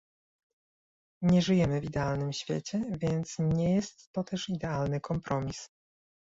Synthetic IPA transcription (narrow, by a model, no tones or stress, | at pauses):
ɲɛʐɘjɛmɘvid̪ɛalnɘmɕfʲjɛ̰t͡ɕɛvʲjɛnt̪sɲɛjɛst̪ːɔt̪ɛʂid̪ɛalnɘkʰɔmpɾʔɔmʲis